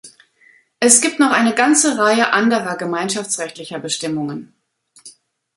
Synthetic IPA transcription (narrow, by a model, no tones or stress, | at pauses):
ʔɛsɡ̥iːp̚tnɔχʔaɪnəɡant͡səʁaɪəʔandəʁɐɡəmaɪnʃaft͡sʁɛçtlɪçɐbəʃtɪmʊŋən